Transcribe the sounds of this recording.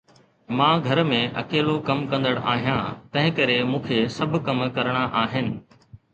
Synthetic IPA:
mãːɡʱɐɾmẽʔɐ̰keːlokɐmkɐ̃nd̪əɽ̃ʔa̰ːɦijãːt̪ɐ̃ɦɪ̃kɐɾemũːkʰesɐbʱʊ̆kɐmkɐɾɽ̃aʔaːɦɪnɪ̆

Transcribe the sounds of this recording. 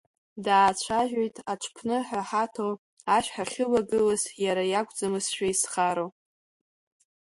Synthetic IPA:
daːt͡ʃʷʰaʒᶣojtʼʰaʈ͡ʂʷʰpʰnɨħaħatʰo | aʃᶣħaχʲɪlaɡɨlasjaɾajakʷʼd͡zamɨsʃᶣaisχaɾo

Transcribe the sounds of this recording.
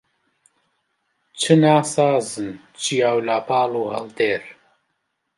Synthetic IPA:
t͡ʃʰɨnaːsaːzɨn | t͡ʃʰijaːwlaːpʰaːluːhɐ̰ld̪eːɾ

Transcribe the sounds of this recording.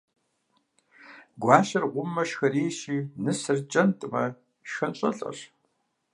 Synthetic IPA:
ɡʷɑːʃɐrʁʷʊmːɐʃxɐriːʃiːnɨsɨrt͡ʃʼɐntʼmɐ | ʃxɐnɕʼɐ̰ɬʼɐ̰r

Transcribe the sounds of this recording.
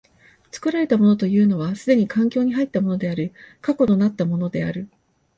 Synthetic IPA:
t͡sɨ̥kɯ̟ɾaɾe̞t̪amo̞not̪o̞jɯ̟ːno̞β̞asɨd̪e̞ɲ̟ikʰãŋkʲo̞ːɲ̟iɦait̪ːamo̞no̞d̪e̞aɾɯ̟kako̞t̪o̞nat̪ːamo̞no̞d̪e̞a̰ɾɯ̟

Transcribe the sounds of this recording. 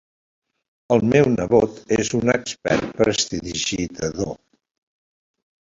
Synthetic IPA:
əlˠmɛwnəβot̪ezunəkspɛ̰rt̪̚pɾəst̪iðiʒit̪əðo

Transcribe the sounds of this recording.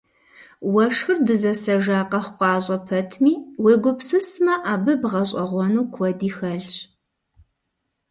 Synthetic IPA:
wɐʂxɨrdɨzɐsɐʒaːqɐχʷqʷɑːʑʼɐpʰɐtʰmiːweːɡʷʊpsɨsmɐʔaːbɨbʁɐɕʼɐʁʷɔnuːkʷʰɔdiːxɐɮɕ

